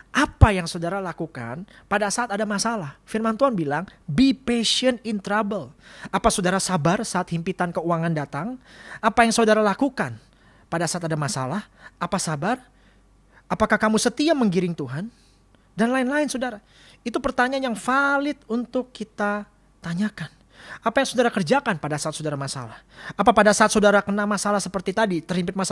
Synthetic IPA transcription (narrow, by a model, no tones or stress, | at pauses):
ʔapajaŋsodaɾalakuka̰npadasaat̪adamasalahfirmant̪uanbilaŋbipeʃiənɪnt̪ɾabəlapasodaɾasabarsaːt̪̚himpit̪ankəuaŋandat̪aŋapajaŋsodaɾalakukan | padasaat̪adamasa̰lahʔapasabar | apakahkamusət̪iaməŋɡiɾɪŋt̪uɦan | danlaɪnlaɪnsodaɾa | it̪upərt̪aɲanjaŋfalɪt̪̚unt̪ʊkːit̪a | t̪aɲakan | apajaŋsodaɾakərd͡ʒakanpadasaːt̪sodaɾamasa̰lahapapadasaat̪̚sodaɾakənamasalahsəpərt̪it̪adit̪ərhimpɪt̪̚mas